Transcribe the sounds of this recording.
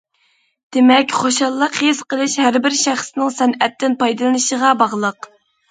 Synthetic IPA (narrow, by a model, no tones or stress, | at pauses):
d̪̥ɪmɛkʲχoʃɑlˠːəqhesqəlˠɨʃhæɾbɪɾʃæχsɪnɪŋsɛnɛt̪ʰːɪnpɑjd̪ɨlˠɨnɨʃəʁɑbɑʁlˠəq